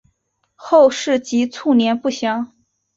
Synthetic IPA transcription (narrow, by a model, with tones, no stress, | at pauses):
xo˥˧ʊʂɻ̩˥˩t͡ɕi˧˥t͡sʰu˥˩njɛ˧˥npu˥˩ɕjɑ˧˥ŋ